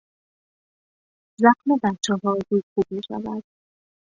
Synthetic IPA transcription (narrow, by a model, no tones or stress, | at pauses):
zæxmebæt̪t͡ʃːɛːɦɒːzuːjxuːb̥̚miːʃæ̰væd̪̥